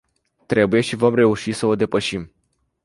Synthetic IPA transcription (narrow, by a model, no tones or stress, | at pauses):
t̪ɾe̞buje̞ʃivo̞mre̞uʃisəo̞d̪e̞pəʃim